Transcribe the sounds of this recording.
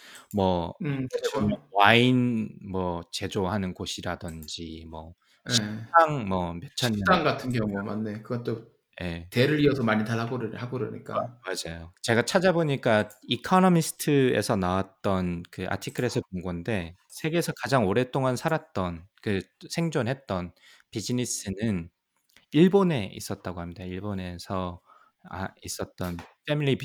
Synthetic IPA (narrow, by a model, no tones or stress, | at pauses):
mʌ | mʌwainmʌt͡ɕe̞d͡ʑohanɯnɡoɕʰiɾadɯnd͡ʑimwʌ̰ | jɕeaŋmʌmjʌt͡ɕʰaɲiaŋɡatʰɯnɡjʌŋuma̰nːe̞kɯɡʌt͈o | je̞teɾɯɾiʌsʰʌmaɲitaɭɦaɡoɾɯhaɡoɾɯ̰ɲḭk͈amad͡ʑajot͡ɕe̞ɡat͡ɕʰad͡ʑaboɲik͈aikʰʌnʌmisʰɯ̥tʰɯe̞̰sʰʌnawat̚t͈ʌnkɯʔa̰tʰikʰɯɾe̞sʰɯpuŋɡwonde̞ | sʰe̞ɡe̞ːsʰʌkad͡ʑaŋoɾe̞t͈oŋansʰaɾat̚t͈ʌnkɯsʰe̞ŋd͡ʑonɦet̚t͈ʌn | pid͡ʑinis͈ʰɯnɯn | iɭbone̞ʔḭs͈ʌt̚t͈aɡohamɲidaiɭbone̞sʰʌ | a̰is͈ʌt̚t͈ʌnfʰemiɭːi